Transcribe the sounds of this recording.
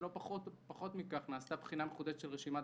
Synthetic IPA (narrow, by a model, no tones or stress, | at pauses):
lo̞paχot̪paχo̞t̪mikaχnaːst̪abχinameχud̪eʃʃelʁeʃima